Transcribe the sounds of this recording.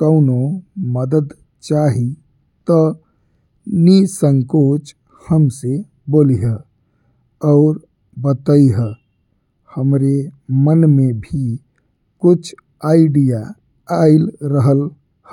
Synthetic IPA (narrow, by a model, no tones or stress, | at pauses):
kəʊnoməd̪əd̪ | t͡ʃaɦi | t̪ə | nisəŋkot͡ʃ | həmse | boliɦə | ɔʊɾ | bət̪əiɦə | həmɾemənmebʱi | kʊt͡ʃʰ | aɪɖija | aɪlɾəɦəl | hə